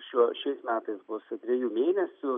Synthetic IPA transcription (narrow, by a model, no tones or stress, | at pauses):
ʃʲuɔʃʲɛɪsmʲæːt̪ɐɪsbʊst̪ʲɾʲejuːmʲeːnʲɛsʲʊ